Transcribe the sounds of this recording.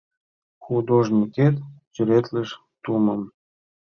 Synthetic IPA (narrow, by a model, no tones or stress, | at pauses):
xud̪oʒnʲiket̪tyɾet̪ləʃ | t̪uməm